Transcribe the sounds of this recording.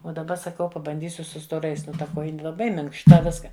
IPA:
oː dɐˈbɐ sɐˈkɐʊ pɐbɐnʲˈdʲiːsʲʊ sʊ stoːˈrɐɪs ˈnʊ tɐ ˈkoːjɪnʲɪ lˠɐˈbɐɪ mʲɪŋkʃˈtɐ ˈʋʲɪskɐ

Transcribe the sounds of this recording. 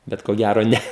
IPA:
ˈbʲɛt koː ˈɡʲæroː ˈnʲɛ

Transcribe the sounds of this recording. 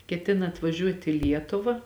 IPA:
kʲɛˈtʲɪnɐ ɐtʋɐˈʒʲuɔtʲ ɪ ˈlʲiɛtʊʋɐ

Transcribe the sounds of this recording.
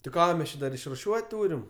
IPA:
tɐɪ ˈkɑː mʲɛs ˈt͡ʃʲɪ dɐr ɪʃrʊˈʃʲuɔtʲ ˈtuːrʲɪm

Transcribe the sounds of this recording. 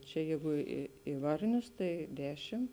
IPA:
t͡ʃʲɛ ˈjɛɪɡʊ ɪ ɪ ˈʋɐrʲnʲʊs tɐɪ ˈdʲæːʃʲɪm

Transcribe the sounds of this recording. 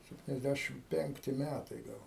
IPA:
sʲɛpʲtʲɪnʲɛzʲˈdʲæʃʲɪm ˈpʲɛŋktʲɪ ˈmʲætɐɪ ˈɡɐlˠ

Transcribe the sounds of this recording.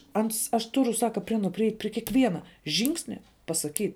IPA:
ˈɐns ɐʃ ˈtʊrʊ ˈsɑːkɐ pʲrʲɪ ˈɑːnuɔ pʲrʲɪˈɛɪtʲ pʲrʲɪ kʲiɛˈkʋʲiɛnɐ ˈʒʲɪŋksʲnʲɛ pɐsɐˈkʲiːtʲ

